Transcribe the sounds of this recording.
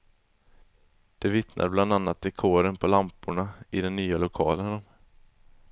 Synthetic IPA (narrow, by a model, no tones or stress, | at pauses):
d̪̥ɛvɪt̪nʔa̰ɾbland̪anːat̪̚d̪̥ɛkʰoːɾənpʰɔlampʊɳaɪd̪ɛnːyːalʊkʰɑːlənnɔm